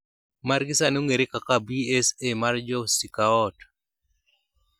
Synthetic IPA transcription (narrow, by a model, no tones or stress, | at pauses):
maɾɡɪsanoŋeɾekakabiesemard͡ʒɔsikaɔt